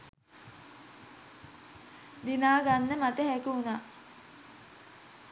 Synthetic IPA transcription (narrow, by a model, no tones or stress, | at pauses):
d̪inaːɡanːəmat̪əɦækuunaː